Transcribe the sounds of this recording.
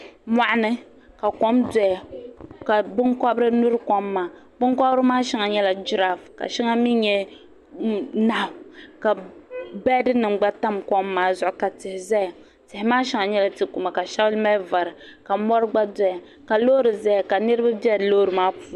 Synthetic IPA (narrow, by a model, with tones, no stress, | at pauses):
mʷa˨ʔa˦nɨ˦ | ka˨kɔ˦mdɛ˨ja˨ka˨bɨ˦ŋkɔ˦bɾɨ˦nu˦ɾɨ˦kɔ˦mːaː˨ | bʊ˦ŋkɔ˦bɾɨ˦maː˦ʃi˨ŋa˨ɲɛ˦la˨d͡ʒi˦ɾa˨fka̰˨ʃi˦ŋa˦mi˦ɲɛ˦ | na˨˦˨ka˨bɛ˦dɨ˦nɨ˨ŋɡ͡ba˦ta˦mkɔ˦mːaː˦zʊ˨ʔʊ˨ka˨tɪ˨hɪ˨zɛ˦ja˨ | tɪ˨hɪ˨maː˦ʃɪ˦ŋa˨ɲɛ˦la˨tɨ˦ku˨ma˨ka˨ʃa˦blma˦va˨ɾɨ˨ka˨mɔ˦ɾɨ˦ɡ͡ba˦dɛ˦ja˨ | ka˨lo˦ɾɨ˨zɛ˦ja˨ka˨nɨ˦ɾɨ˦ba˦bi˦ɛ˦˨lo˦ɾɨ˨maː˦pu˦